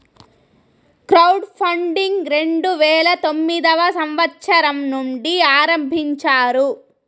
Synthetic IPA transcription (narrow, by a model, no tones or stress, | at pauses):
kɾɐwɖpʰɐɳɖiŋɡɾe̞ɳɖuʋɛːɭɐt̪o̞mːid̪ɐʋɐsɐmʋɐt̪ːʃɐɾɐmnuɳɖiaːɾɐmbʱiɲt͡ʃaːɾu